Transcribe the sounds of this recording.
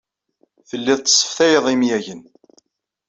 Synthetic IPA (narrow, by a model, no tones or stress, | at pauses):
θəlːɪðˤt̪ːə̥sˤːə̥fθæjəðˤimjæʝən